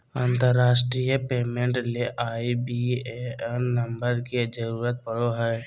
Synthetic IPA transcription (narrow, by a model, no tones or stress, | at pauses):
ãːnt̪əɾːaːsʈɾijəpeːmẽɳʈleʔaːibieɛɾnəmbəɾked͡ʒəɾuːɾət̪̚pəɽoɦɛː